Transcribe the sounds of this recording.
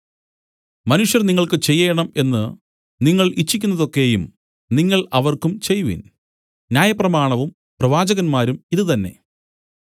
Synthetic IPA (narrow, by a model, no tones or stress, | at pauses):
mɐnuʂjɐrniŋːɐɭkɨt͡ɕe̞jːejɐɳɐme̞nːɨ | niŋːɐɭit͡ɕːikʲːunːɐðo̞kːe̞jum | niŋːɐɭɐʋɐrkumt͡ɕe̞jːuʋḭn | njaːjɐprɐmaːɳɐʋum | prɐʋaːd͡ʑɐɣɐnmaːɾumiðɨt̪ɐnːe̞̰